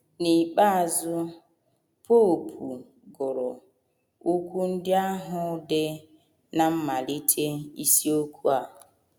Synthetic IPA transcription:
ni˨k͡pa˦a˨zʊ˦ | po˦˨pʰu˨ | ɡʊ˨ɾɔ˨ | u˦kʷu˦n̩˦dɪ˦a˦ɦʊ˦dɪ˦ | na˨m̩˦ma˨li˦tʰe˦i˦si˦o˦kʰu˦a˨

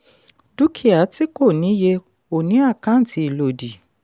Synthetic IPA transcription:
du˦kʰi˦˨a˨˦ti˦ko˦˨nĩ˨˦je˧ | o˨nĩ˨˦a˦˨kã˦n̩˦tʰi˧˦i˨lo˨di˨

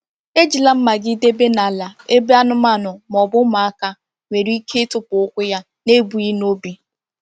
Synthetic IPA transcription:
e˦d͡ʒi˨la˦m̩˦ma˨ɡɪ˦de˦be˦na˨la˨e˦be˦a˦nʊ˦ma˦˨nʊ˨mɔ˨bʊ˦ma˨a˦ka˦ | ŋʷe˨ɾi˦kʰe˦tʊ˦pʊ˨ʊ˦kʷʊ˦ja˦ | ne˦bu˨i˦n˦o˦bi˨

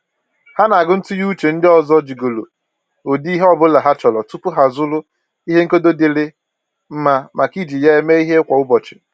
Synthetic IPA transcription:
ha˦na˨ɡʊ˦n̩˦tʊ˦ju˦t͡ʃe˨n̩˦dɪ˦ɔ˨zɔ˦d͡ʒi˨ɡo˨lo˨ | o˨di˦ɦe˦ɔ˦bʊ˦la˨ɦa˦t͡ʃɔ˨lɔ˨tu˦pʊ˦ɦa˨zʊ˦lʊ˦ | i˦ɦe˦ŋ̩˦ko˦do˦dɪ˨lɪ˦ | m̩˦ma˦mʔa˨ki˦d͡ʒi˨ja˦e˦me˦i˦ɦe˦kʷɔ˨ʊ˦bɔ˨t͡ʃɪ̥˨

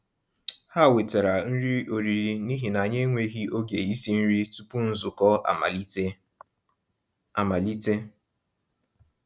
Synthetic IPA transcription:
ha˦˨we˨te˨ɾa˨n̩˦ɾi˦o˨ɾi˨ɾi˨ni˦ɦi˨na˨ɲe˦ŋʷe˦ɦi˦o˦ɡe˨i˦si˦n̩˦ɾi˦tu˦pu˦n̩˦zʊ˨kɔ˦˨i˦ | a˨ma˨li˦te˦

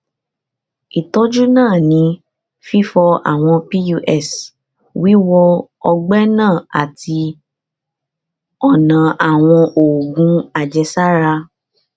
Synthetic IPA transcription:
i˨tɔ˦d͡ʒu˦nãː˦˨nĩ˨˧˦ | fi˦fɔ˧a̰˨w̃ɔ̃˧pi˦ju˧ʔɛ˦˨s | wi˦wɔ˧ | ɔ˧ɡ͡bɛ˦nãː˦˨a˨ti˧ | ɔ˦˨nã˨ʔa˨w̃ɔ̃˧ʔo˨ɡũ˧˦a˦˨d͡ʒɛ˧sa˦ɾa˧

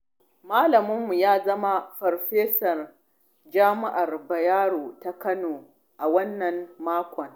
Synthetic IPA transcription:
maː˦lɐ˨mʊ˦mːu˨jaː˦zɐ˦ma˦ɸɔ˨rɸeː˦sɐ˨r | d͡ʒaː˦mɪ˦ʔa˨rbɐ˨jaː˦ɽoː˨ta˦kɐ˦noː˨ | ʔa˨wɐ˦nːɐ˨nːaː˦kʷɔ˨ŋ

